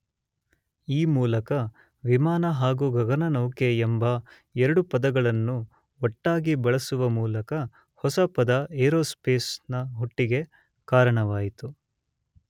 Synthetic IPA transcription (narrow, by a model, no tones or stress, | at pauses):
iːmuːlɐkɐ | ʋimaːnɐɦaːɡuɡɐɡɐnɐnɐwkeːmbɐ | ɛɾɐɽupɐd̪ɐɡɐɭɐnːu | ɔʈːaːɡibɐɭɐsuʋɐmuːlɐkɐ | hɔsɐpɐd̪ɐeːɾoːspeːsnɐɦuʈːiɡe̞ | kaːɾɐɳɐʋaːjit̪u